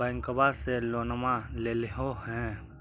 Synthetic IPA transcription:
ɛ̃ŋkəbaseloːnəmaleːleɦohɛ̃

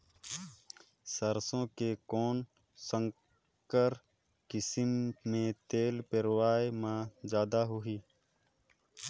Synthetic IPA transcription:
səɾsõːkekoːn | sə̃ŋ | kəɾ | kɪsmːẽt̪eːlpɪɾwaːemãːd͡ʒjaːd̪aɦʊiː

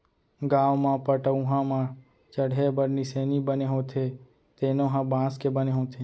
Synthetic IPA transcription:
ɡaːʋmãpəʈəũɦãmãː | t͡ʃəɽɦebəɾniseːnibəneɦõːt̪ʰe | t̪eːnõːɦãbãːskebəneɦõːt̪ʰe

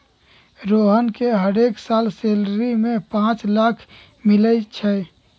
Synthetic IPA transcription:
ɾoɦənkeɦəɾeksalselɾimẽpãt͡ʃlakʰ | milət͡ʃʰɛ

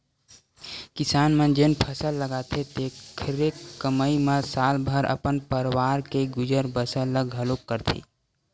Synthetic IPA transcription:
kisaːnmə̃d͡ʒenpʰəsəlːəɡat̪ʰet̪ekʰɾekːəməimẽsaːlbʱəɾʔə̰pənpəɾwaːɾkeɡʊd͡ʒəɾbəsəlːəɡɦəlukːəɾt̪ʰḭː

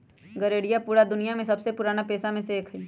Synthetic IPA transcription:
ɡɐɾeːɽɪjapuːɾad̪ʊnijamẽsɐbsepʊɾaːnapeːsamẽseːkʰiː

